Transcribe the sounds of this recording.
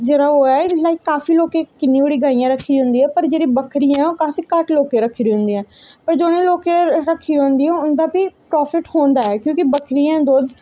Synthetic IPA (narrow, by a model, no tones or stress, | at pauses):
d͡ʒeːɾaːoːɛːlaːiːkaːfiːloːkeːkɪnːĩːbeɽiːɡaːɪjãːɾəkʰːiːd͡ʒʊ̃nd̪iːɛːpəɾd͡ʒeːɽĩːbəkʰɾijãːɛoːkaːfiːkəʈloːkeːɾəkʰːiɾiɦʊ̃nd̪iːɛ̃ːpəɾd͡ʒoːnẽloːkeɾəkʰːiːõːnd̪iːɛ̃ʊnd̪aːpiːpɾɔːpʰɪʈhoːnd̪aːɛːkjõːkɪbəkʰɾiãːd̪oːd̪